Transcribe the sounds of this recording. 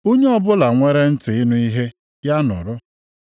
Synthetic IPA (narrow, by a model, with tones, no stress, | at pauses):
u˦ɲe˦ɔ˦bʊ˦la˨ŋʷe˦ɾe˦n̩˦tɪ˨ɪ˦nʊ˦i˦ɦe˦ | ja˦nʊ̰˨ɾʊ˦